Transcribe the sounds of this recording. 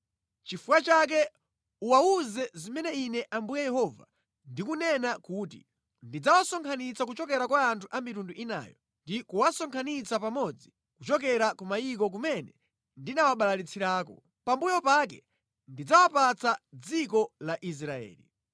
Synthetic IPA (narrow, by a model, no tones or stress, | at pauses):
t͡ʃifuwat͡ʃak̬ɛ | uwauzɛzimɛnɛinɛʔambujɛjɛhɔva̰ | ndikunɛnakutḭ | ndid͡zawasɔŋkʰanit͡sak̬ut͡ʃɔk̬ɛɾakwaːntʰuʔamitunduʔina̰ːjɔ̰ | ndikuwasɔŋkʰanit͡sapamɔd͡zi | kut͡ʃɔkɛɾakɔmaik̬ɔk̬umɛnɛ | ndinawaɓalalit͡sʰiɾaːkɔ̰ | pambujɔpakɛ | ndid͡zawapat͡sad͡zikɔlaʔis̬ɾaɛ̰ːlḭ